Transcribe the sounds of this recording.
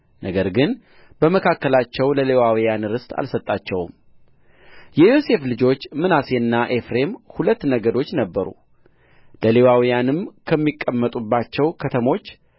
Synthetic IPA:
nʔəɡəɾɡɨn | bəməkʰakːəlat͡ʃːɛwləle̞wawijanɾɨst̪ʼa̰lsət̪ʼːat͡ʃːɛwm | jɛjo̞se̞flɨd͡ʒo̞t͡ʃːmɨnase̞ɨnːaʔe̞fɾe̞mhulət̪ːnəɡəd̪o̞t͡ʃːnəbːəɾṵ | ləle̞wawijanɨmkʰəmːikʼːəmːət̪ʼubːat͡ʃːɛwkʰət̪ʰəmo̞t͡ʃː

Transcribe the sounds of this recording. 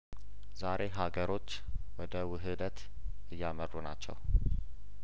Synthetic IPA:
zaɾʔe̞ɦaɡəɾo̞t͡ʃː | wɔd̪əwɨɦɨd̪ət̪ | ɨjːamərːuna̰t͡ʃːɛ̰w

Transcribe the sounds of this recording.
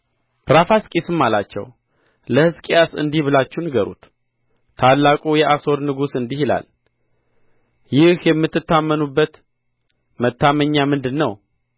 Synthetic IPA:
pɾafaskʼisɨmːalat͡ʃːɛ̰w | ləhɨskʼijasɨ̰nd̪ihbɨlat͡ʃːunɨɡəɾṵt̪ | t̪ʰalːakʼujɛʔaso̞ɾnɨɡusɨnd̪ihila̰l | jɪhjɛmːɨt̪ːɨt̪ːamːənubːət̪ | mət̪ːaməɲːamɨnd̪ɨnːəw

